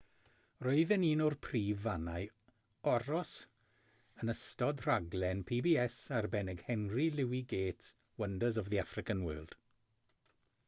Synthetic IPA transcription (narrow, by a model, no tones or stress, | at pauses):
roɨðɛniːnɔrpʰriːvanaj | ɔɾɔs | ənəstɔdr̥aɡlɛnpʰiːbiːɛsarbɛnɛɡhɛnrilɪwiɡeːtʰ | wəndəzɔvðiafrɪkanwə̰ːlˠd̥